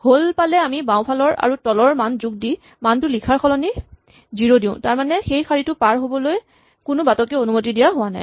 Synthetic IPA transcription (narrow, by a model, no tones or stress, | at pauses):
holpalɛamibãʊ̃pʰalɔɹa̰ɹutɔlɔɹmanzuɡ̚di | mantʊlikʰaɹxʰɔlɔni | ziɹodĩʊ̃taɹmanɛxejkʰaɹitʊpaɹɦobɔloj | kʊnʊbatɔkɛonumotidijaɦʊwana̰j